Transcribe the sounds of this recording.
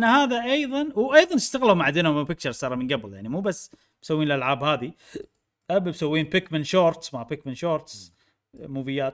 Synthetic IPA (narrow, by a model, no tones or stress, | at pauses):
nːahaːðaʔɑjðˤɑnwʔɑjðˤɑnɪst̪aɣlawmaʕd̪eːnʊmɪpɪk̚t͡ʃɑɾˤsɑːɾˤmɪnɡabljaʕnimuːbasː | msawːiːnlʔalʕaːbhaːði | ʔabbsawːiːnpɪkmɪnʃoːɾt̪smapɪkmɪnʃoːɾt̪s | muːvɪjːaːt̪